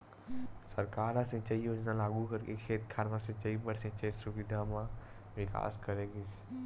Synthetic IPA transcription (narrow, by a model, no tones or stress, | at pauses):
sɐɾkaːɾasẽt͡ʃəiɦoːd͡ʒnãlaːɡukəɾkekʰeːt̪̚kʰaːɾmãsẽt͡ʃɐibəɽsẽt͡ʃəisuʋɪd̪ʱamã | ʋɪka̰ːskəɾeɡis